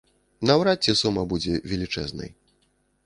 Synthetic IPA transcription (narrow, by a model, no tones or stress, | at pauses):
nɐwɾat͡sʲːɛsumɐbud͡zʲɛvʲɛlʲit͡ʂɛ̰znɐ̰j